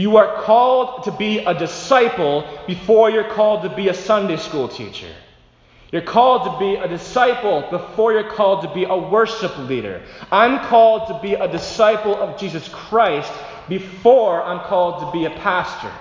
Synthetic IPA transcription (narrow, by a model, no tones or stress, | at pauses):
jɨə˞kʰɔlˠdtʰɨbiədɨsaɪpl̩ˠb̥ɨfɔɹjə˞kʰɔlˠd̚təbiɨsʌ̃ndeɪskulˠtʰḭt͡ʃə̰˞ | jə˞kʰɔlˠd̚təbiɨdɨsaɪpl̩ˠbɨfɔɹjə˞kʰɔlˠd̚təbiʔəwɜ˞ʃɨpliɾə̰˞ə̃nkʰɔlˠd̚tʰəbiədɨsaɪpl̩ˠʌvd͡ʒizɨskʰɹ̥aɪst | b̥ɨfɔɹãɪ̃mkʰɔlˠd̚tʰəbiɨpʰæstə̰˞